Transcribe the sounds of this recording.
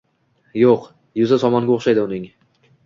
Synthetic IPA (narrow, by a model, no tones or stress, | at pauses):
joq | jʊzasɒmɒnɡʲaoχʃajd̪ɪʊnɪŋ